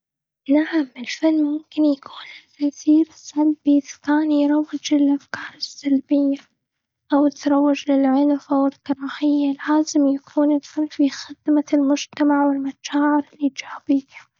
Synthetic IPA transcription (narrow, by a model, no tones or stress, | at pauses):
naʕamɪlfanːmʊmkɪnjakʰuːnlɪkaθiːɾɪsːalbiɪðḁkaːnjɾˤɑwːɪd͡ʒɪlʔafkɑːɾˤɪsːalbɪjːa | ʔawɪt̪ɾˤɑwːɪd͡ʒlɪlʕʊlfʔawɪlkɑɾˤɑːħɪjːalaːzɪmjakʰuːnɪlfanːfixɪd̪̥malmʊd͡ʒt̪amaʕwɪlmaʃaːʕɪɾɪlːid͡ʒabiːha